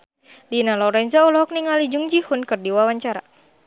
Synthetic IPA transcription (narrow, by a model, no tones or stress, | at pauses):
dinalɔɾɛnzaulɔɔk̚niŋalid͡ʒuŋd͡ʒihunkɨrdiwawaɲt͡ʃaɾa̰